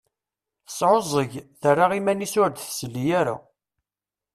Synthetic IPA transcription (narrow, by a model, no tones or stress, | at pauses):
θəsˤʕozˤəʝθərːaʁimænisʊɾd̪θsəlːijaɾa̰